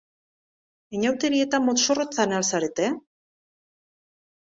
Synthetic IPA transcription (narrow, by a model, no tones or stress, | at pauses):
eɲawt̪e̞ɾie̞t̪amːot̪sorot͡sanalsaɾet̪e